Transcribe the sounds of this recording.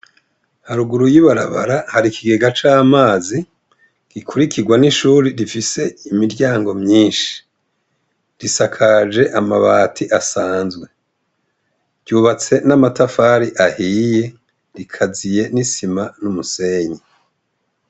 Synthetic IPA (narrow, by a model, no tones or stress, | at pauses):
haɾuɡuɾujiβaɾaβa̰ɾahaɾikiɡe̞ɡat͡ʃaːmaːzi | ɡ̥ikʰuɾikiɡwaniʃuːɾiɾifise̞imiɾɟaːŋɡo̞mɲiːnʃi̥ | ɾisakʰad͡ʒe̞ʔamaβaːtʰiʔasaːnzɡwe̞ | ɾɟuːβat͡se̞namatafaɾiʔahije̞ | ɾikʰazije̞nisimanumuse̞ːɲe